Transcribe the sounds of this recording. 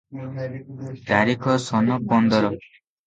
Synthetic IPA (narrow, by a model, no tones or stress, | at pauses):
t̪aɾikʰɔsɔnɔpɔnd̪ɔɾɔ